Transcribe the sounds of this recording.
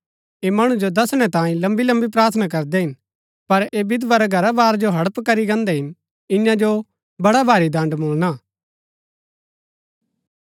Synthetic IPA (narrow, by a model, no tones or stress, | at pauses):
eːmɐɽ̃ũd͡ʒod̪ɐsɽ̃ɛ̃t̪ãːĩlɐ̃mbilɐ̃mbip̬ɾaːɾt̪ʰnak̬ɐɾd̪ɛɦɪn | pɐɾeːbɪd̪ʋaɾɛɡʱɐɾabaːɾd͡ʒoɦɐɽpkɐɾiɡɛ̃ːnd̪ɛɦɪn | ɪ̃jãd͡ʒo | bɐɽabʱaːɾid̪ɐ̃ɳɖmʊːlnaː